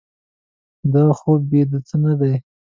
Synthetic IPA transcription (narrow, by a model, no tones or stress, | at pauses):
d̪ɑxob̚bed̪ət͡sənad̪aj